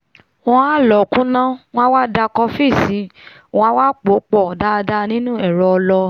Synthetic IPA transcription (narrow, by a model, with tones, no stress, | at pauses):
ɔ̃˧a˦˨lɔ˨kũ˨˦nã˦w̃wa˦da˧kɔ˧fi˦˨sĩ˨˦˧ | a˦wa˦k͡po˨˦k͡pɔ˦˨da˧da˧nĩ˦nũ˦ɛ˦˨ɾɔ˧ɔ˧lɔ˧